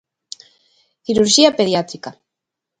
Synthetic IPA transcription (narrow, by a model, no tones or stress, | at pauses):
kiɾuɾʒiapeðjat̪ɾika